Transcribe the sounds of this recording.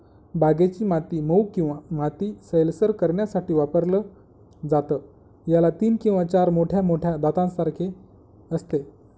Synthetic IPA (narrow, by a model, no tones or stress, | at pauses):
bʱaɡet͡ɕiːmat̪iːməukĩw̃ʋamat̪iːsəjlsəɾkəɾɳjasaʈiːʋapəɾlə | d͡zat̪ə | jalat̪iːnkĩw̃ʋat͡ɕaɾmoʈʰjamoʈʰjad̪at̪ãnsaɾkʰe | əst̪e